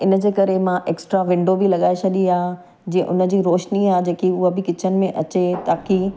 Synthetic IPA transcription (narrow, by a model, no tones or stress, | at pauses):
ɪnə̆d͡ʑeːkɐɾemãʔeːksʈɾaʋɪ̃ɳɖobɪlɐɠaːesʰɐɗiaː | d͡ʑiẽʔʊnə̆d͡ʑiːɾoːʃniaːd͡ʑeːkiʊɦəbɪkɪt͡ɕʰənɪ̆mẽʔɐt͡ɕet̪aːki